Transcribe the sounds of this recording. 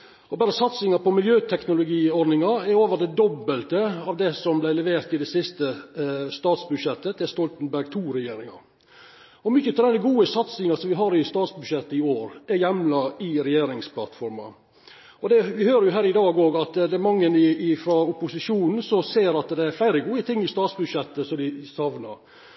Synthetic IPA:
ɔbæːɾəsɑt̪sɪŋɑpɔmɪljøːt̪ʰɛknʊlʊɡiːɔɾd̪nɪŋɑɛɾoːʋəd̪ɛd̪ɔbəlt̪əɑːʋd̪ɛsɔmblæɪlɛʋeːɾt̪ɪd̪ɛsɪst̪əst̪ɑːt̪sbʉʂjɛt̪ːəd̪ɛst̪ɔlt̪ənbæɾɡt̪ʰuːɾɛjeːɾɪŋɑ̰ɾ | ɔmʏçːət̪ʰɪd̪ɛnːəɡuːəsɑt̪sɪŋɑsɔmʋɪɦɑːɾɪst̪ɑːt̪sbʉʂɛt̪ːɪoːɾæɾjɛmlɑɪɾɛjeːɾɪŋspʰlɑt̪fɔɾmɑ̰ | ɔd̪ɛʋɪhøːɾəjʊɦæːɾɪd̪ɑːɡoːɡɑt̪d̪ɛmɑŋːənɪɪfɾɔʊpʊsɪʂuːnn̩sɔseːɾɑt̪d̪ɛæflæɪɾəɡuːət̪ʰɪŋːɪst̪ɑːt̪sbʉd̪ʂɛt̪ːəsɔd̪ɪsɑʋnɑ̰ɾ

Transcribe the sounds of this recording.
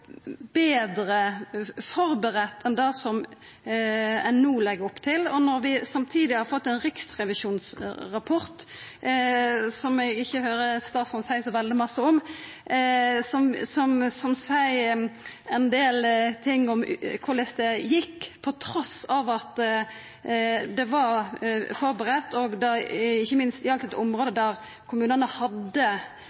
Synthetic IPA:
beːd̪ɾəfɔɾbəɾɛt̪ːɛnd̪ɑsɔm | ɛnːuːlɛɡəɾɔpːt̪ʰɪlɔnɔɾʋɪsɑmt̪ʰiːd̪ɪhɑɾfɔt̪ːɛnɾɪksʁɛʋɪʃuːnsɾɑpʰɔʁt̪ | sɔmɛɡɪçːəɦøːɾəst̪ɑːsɑnsæɪsɔʋɛld̪ɪmɑsːəɔm | sɔmsɔmsɔmsæɪ | ɛnd̪eːlt̪ʰɪŋːɔmkʰʊʁlɛsd̪ɛjɪkːpʰɔt̪ʰɾɔsɑʋɑt̪ | d̪ɛʋɑɾfɔʁbəʁɛt̪ːɔɡd̪ɛɪçːəmɪnst̪ɪɑlt̪ːɛt̪ɔmɾoːd̪əd̪æʁ | kʰʊmʉːnənəhɑd̪ːə

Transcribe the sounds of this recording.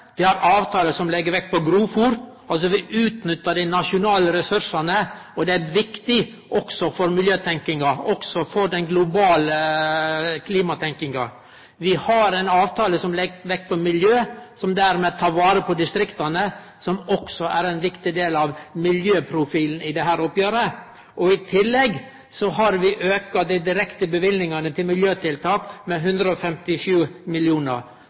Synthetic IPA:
ʋ̪ɪhɑɾʔɑːʋt̪ʰɑːləsɔmlɛɡːəɾʋɛk̚ːpʰɔɡɾuːfuːɾ | ɑls̬ɔʋɪʔʉːt̪nʏt̪ːəɖɪnɑʂʊnɑːləɾɛsʉɾʂɑnəɔd̪ɛæɾʋɪkt̪ɪ | ʔɔksɔfɔɾmɪljøːt̪ʰɛŋkɪŋɑɔksɔfɔd̪ɛnɡlʊbɑːlə | kʰliːmɑt̪ʰɛŋkɪŋɑ | ʋɪhɑɾɛnɑːʋt̪ʰɑːləsɔmlɛɡʋɛk̚ːpʰɔmɪljøːsɔmd̪æːɾmeːt̪ʰɑːɾʋɑːɾəpʰɔd̪ɪst̪ɾɪkt̪ɑnə | sɔmɔksɔʔæɾɛnʋɪkt̪ɪd̪eːlɑʋmɪljøːpʰɾʊfiːln̩ɪd̪ɛɦæːɾʊpjæːɾə | ʔɔɪt̪ʰɪlːɛɡ | sɔɦɑɾʋɪʔøːkɑd̪ɪd̪ɪɾɛkt̪əbəʋɪlnɪŋɑnət̪ʰɪlmɪljøːt̪ʰɪlt̪ʰɑːkmɛɦʉnd̪ɾəɔfɛmt̪ɪʃʉːmɪljuːnə̰ɾ

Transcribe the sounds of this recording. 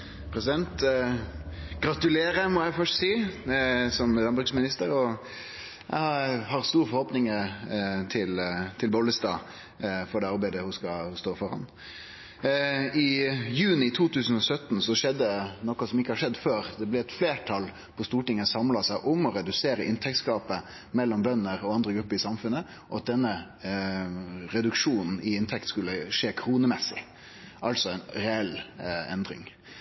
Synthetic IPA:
pʰɾɛsɪd̪ɛnt̪ | ɡ̥ɾɑt̪ʉleːɾəmɔæɪfœʂʈsiː | sɔmlɑnbʉɾɡsmɪnɪst̪əɾɔ | jæ̰ɪhɑhɑʁst̪uːɾfɔɾhoːpnɪŋət̪ʰɪlt̪ʰɪlbɔlːəst̪ɑ̰ː | fɔɖɛːɑɾbæɪd̪əhʊskɑhʊst̪oːfɔɾɑ̰n | ɪjʉːnɪt̪ʰuːt̪ʰʉːsən̩ɔsœt̪ːnsɔʃɛd̪ːənɔkɑsɔmɪkːəhɑɾʂɛd̪ːføːɾd̪ɛblɛɛt̪fleːʈʰɑl | pʰɔst̪uːʈɪŋːəsɑmlɑsæɪʔʊmɔɾɛd̪ʉseːɾəʔɪnt̪ʰɛk̚t̪skɑːpə | mɛlːɔmbœnːəɾɔɑnd̪ɾəɡɾʉpːəɾɪsɑmfʉnːə | ʔɔɑt̪̚d̪ɛnːə | ɾɛd̪ʉkʂuːnn̩ɪɪnt̪ʰɛkt̪skʉlːəʂeːkʰɾuːnəmɛsːɪ̰ | ʔɑlsɔæɪnɾɛɛlɛnd̪ɾɪ̰ŋ

